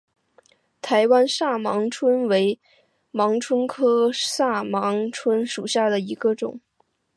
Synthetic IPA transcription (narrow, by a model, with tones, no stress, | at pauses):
t̪ʰa˧˥ɪwa˥nʂa˥˩mɑ˧˥ŋʈ͡ʂʰwə˥nwe˧˥ɪ | mɑ˧˥ŋʈ͡ʂʰwə˥nkʰɤ˥ʂa˥˩mɑ˧˥ŋʈ͡ʂʰwə˥nʂu˨˩ɕja˥˩d̪ə˩i˧˥ɡə˧ʈ͡ʂʊ̰˨˩˦ŋ